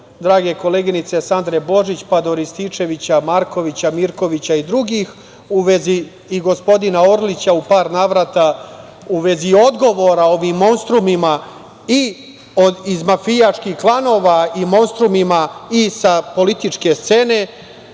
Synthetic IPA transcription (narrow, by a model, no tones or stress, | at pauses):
d̪ɾaːɡe̞ko̞le̞ːɡinit̪se̞sand̪ɾebo̞ʒit͡ɕpad̪o̞ɾist̪ie̞ʋit͡ɕamaɾko̞ʋit͡ɕamiɾko̞ʋit͡ɕaid̪ɾuɡiːx | uʋe̞ziː | ɡo̞spo̞d̪inaoɾlit͡ɕaupaːɾnaːʋɾat̪a | uʋe̞zio̞d̪ɡo̞ʋo̞ɾao̞ʋimːo̞nst̪ɾumima | i | oizmafijat͡ʃkixklˠano̞ːʋaimo̞nst̪ɾumimaisapo̞lit̪it͡ʂke̞st̪se̞ne̞